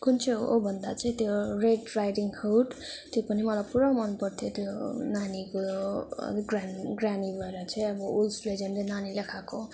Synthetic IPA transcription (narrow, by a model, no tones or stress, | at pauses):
kunt͡sʰoo̰bʱʌnd̪at͡sʌĩt̪joreɖrajʈiŋkʰʌwʈt̪jopʌnimʌlajpuɾamʌnpʌrt̪ʰjot̪jonanikoʌ̰ɡranɡranibʱʌeɾʌt͡sʰʌĩʌbʌulsled͡zʌnlenanilakʰako